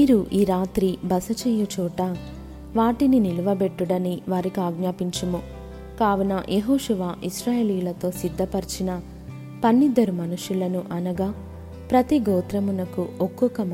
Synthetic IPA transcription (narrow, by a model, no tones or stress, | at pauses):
iːɾuʔiːɾaːt̪ɾibɐsɐt͡ʃɛjɐt͡ʃɔːʈɐ | ʋaːʈininiluʋɐbe̞ʈːuɽɐniʋaːɾikiaːɡnaːpiɲt͡ʃɐmu | kaːʋunɐjʔeɦoːʃuʋaːʔiʃɾaːjeːliːjulɐt̪o̞ːsid̪ʱːɐpɐɾt͡ʃinɐ | pɐnːid̪ːɐɾumɐnuʃulɐnuʔɐnɐɡaː | pɾɐt̪iɡɔːt̪ɾɐmunɐkuʔɔkːɔkɐm